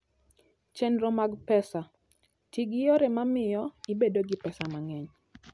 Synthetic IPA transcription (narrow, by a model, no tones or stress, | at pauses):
t͡ʃɛndɾomaɡpɛsa | tiɡɪjoɾɛmamɪjɔibedoɡɪpɛsamaŋɛɲ